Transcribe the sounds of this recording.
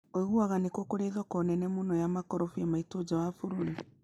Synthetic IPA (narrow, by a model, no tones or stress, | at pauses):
oiɣuaɣanekokoɾeðakɔnɛnɛmunɔjamakɔɾɔfiɛmaitod͡ʒawafuɾuɾi